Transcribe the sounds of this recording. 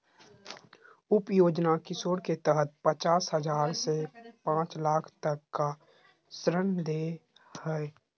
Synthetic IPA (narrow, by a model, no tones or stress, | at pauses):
ʊpjoːd͡ʒnakɪsoːɽket̪əɦət̪̚pət͡ʃaːsɦəd͡ʒaːɾsepãːt͡ʃlaːkʰt̪əkːa | sɾənd̪eː | hɛe